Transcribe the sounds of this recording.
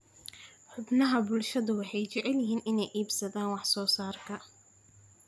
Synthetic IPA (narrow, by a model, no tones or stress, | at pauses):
ħʊbnɐɦɐbʊlʃɐðʊwɑħɑjt͡ʃɛʕɛljɪɦiːnɪnɛjʔiːbsɐðaːnwɑħsɔːsaːrkʰɐ